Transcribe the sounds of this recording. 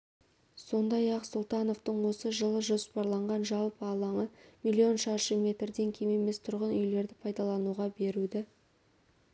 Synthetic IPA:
so̞nd̪ɑjɑqsʊlˠt̪ɑnoft̪əɴwo̞səʒəlˠəʒo̞spɑɾlˠɑɴʁɑnʒɑlˠpəɑlˠɑɴəmilʲːio̞nʃɑʃəmʲe̞t̪rd̪e̞ŋkʲʰeme̞me̞st̪ʰʊɾʁənʏjle̞ɾd̪ɪpʰɑjd̪ɑlˠɑnuʁɑbe̞ɾud̪ɪ

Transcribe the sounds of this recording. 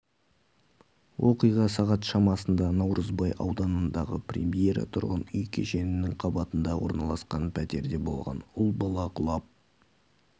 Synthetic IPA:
wʔoqijʁɑsɑʁɑt̪ʃɑmɑsənd̪ɑnɑwɾʔəzbɑjʔɑ̰wd̪ɑnənd̪ɑʁəprʲe̞̰mijeɾɑ̰t̪ʰʊɾʁənʏjkʲʰeʃe̞nɪnɪŋqʰɑbɑt̪ənd̪ɑwo̰ɾnɑlˠɑsqɑnpʰæt̪e̞ɾd̪e̞bo̞̰lˠʁɑ̰nʊlˠbɑlˠɑqʰʊlˠɑp̚

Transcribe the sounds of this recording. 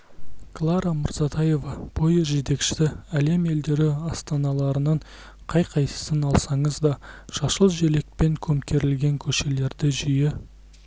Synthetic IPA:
klˠɑɾɑməɾzɑt̪ʰɑje̞vɑb̥ojəʒe̞t̪e̞kʃɪ̥t̪ɪæle̞me̞ld̪e̞ɾɪɑst̪ɑnɑlˠɑɾənɑɴ | qʰɑjqʰɑjsə̥sənɑlˠsɑɴəzd̪ɑʃɑʃəlˠʒele̞k̚pe̞ŋkʲʰɵmkʲe̞ɾɪlɡʲe̞ŋkʲʰɵʃe̞le̞ɾd̪ɪʒijɪ

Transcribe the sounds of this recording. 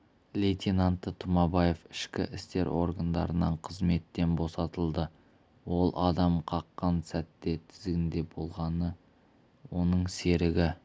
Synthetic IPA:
lʲejt̪ʲʰenɑnt̪ːət̪ʰʊmɑbɑje̞fɪʃkʲɪ̰ʔɪst̪e̞ɾʔo̞̰ɾɡand̪ɑ̰ɾənɑɴqʰəzme̞t̪ːe̞nbo̞sɑt̪əlˠd̪ə | wo̞lˠʔɑd̪ɑmqʰɑqːɑnsæt̪ːe̞t̪ʰɪ̥zɡʲɪnd̪e̞bo̞lˠʁɑnə | wo̞nəɴse̞ɾɪɡʲɪ

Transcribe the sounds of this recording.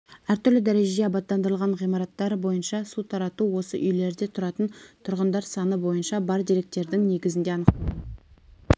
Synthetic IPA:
æɾt̪ʏɾlɪd̪æɾe̞ʒe̞d̪eɑbɑt̪ːɑnd̪əɾəlˠʁɑɴʁijmɑɾɑt̪ːɑɾəbo̞jənʃɑsut̪ʰɑɾɑt̪uwo̞sə̰ʔʏjle̞ɾd̪e̞t̪ʰʊɾɑt̪ənt̪ʰʊɾʁənd̪ɑɾsɑnəbo̞jənʃɑbɑɾd̪iɾe̞k̚t̪e̞ɾd̪ɪŋne̞ɡʲɪzɪnd̪e̞ɑnəqt̪ə

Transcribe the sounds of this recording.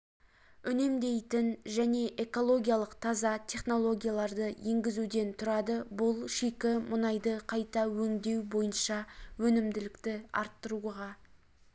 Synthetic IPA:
ʏne̞md̪e̞jt̪ɪnʒæne̞ʔe̞ko̞lˠo̞ɡʲijalˠəqt̪ʰɑzɑt̪ʲʰe̞χno̞lˠo̞ɡʲijalˠɑɾd̪əjeŋɡʲɪzud̪e̞nt̪ʰʊɾɑd̪əbʊlˠʃekʲɪmʊnɑjd̪əqʰɑjt̪ɑwɵŋd̪e̞wbo̞jənʃɑwɵnɪmd̪ɪlɪkt̪ɪɑ̰ɾt̪ːəɾuʁɑ

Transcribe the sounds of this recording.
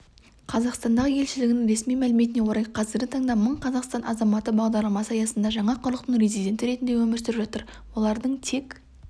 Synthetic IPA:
qʰɑzɑqst̪ɑnd̪ɑʁəje̞lʃɪlɪɡʲɪnɪŋɾe̞smijmælɪme̞t̪ɪne̞wo̞ɾɑjqʰɑzɪɾɡʲɪt̪ʰɑɴd̪ɑməɴqʰɑzɑqst̪ɑnʔɑ̰zɑmɑt̪əbɑʁd̪ɑɾlˠɑmɑsəɑjɑsənd̪ɑʒɑɴɑqʰʊɾlˠəq̚t̪ənɾe̞zijd̪ʲe̞nt̪ɪɾe̞t̪ɪnd̪ewɵmɪɾsɪɾɪpʒɑt̪əɾ | wo̞lˠɑɾd̪əɴt̪ʰe̞k

